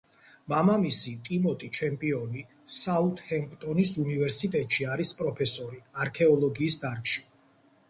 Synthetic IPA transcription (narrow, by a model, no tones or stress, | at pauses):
mamamisit̪ʼimɔt̪ʼit͡ʃʰɛmpʼiɔni | saut̪ʰʼhɛmpʼt̪ʼɔnisunivɛɾsit̪ʼɛt̪ʼʃiaɾispʼɾɔpʰɛsɔɾiaɾkʰɛɔlˠɔɡiːsd̪aɾkʼʃi̥